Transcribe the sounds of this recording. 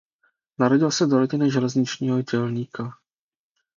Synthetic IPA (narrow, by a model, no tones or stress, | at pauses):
naɾo̞ɟɪlsɛdoɾoɟɪnɪʒɛlɛzɲɪt͡ʃɲiːɦo̞ɟɛlɲiːka